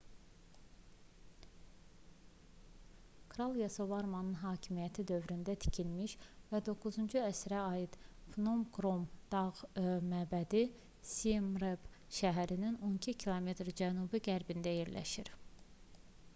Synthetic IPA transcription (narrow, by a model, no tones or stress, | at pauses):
kʰɾɑlˠjesovɑɾmɑnɯnɦɑːcʰimijæt̪ʰid̪ø̞vɾynd̪æt̪ʰi̥cʰilmiʃvæd̪o̞ɡuzund͡ʒuæsɾæɑːjid̪̥fnomɡɾo̞md̪̥ɑʁmæbæd̪i | simɾeb | ʃæɦæɾinino̞nicʰicʰilˠome̞t̪ɾd͡ʒænubiɡæɾbind̪æjeɾlæ̰ʃiɾ